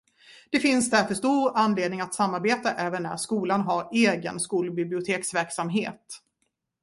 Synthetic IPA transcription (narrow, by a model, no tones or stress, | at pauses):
d̪̥ɛfɪnsd̪æɾfœʂt̪uːɾanːleːd̪nɪŋat̪samːaɾbeːt̪aʔɛːvənːæ̰ɾʂkuːlanɦaɾeːɡə̰nskuːlbɪblɪʊt̪ʰeːksvæɾksamɦeːt̪